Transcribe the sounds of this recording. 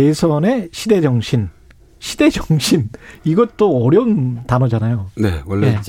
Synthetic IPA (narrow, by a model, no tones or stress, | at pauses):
esʰʌne̞ɕʰide̞d͡ʑʌŋɕʰin | ɕʰide̞d͡ʑʌŋɕʰiniɡʌt̚t͈oʌɾjʌuntanʌd͡ʑanajone̞̰wʌɭːje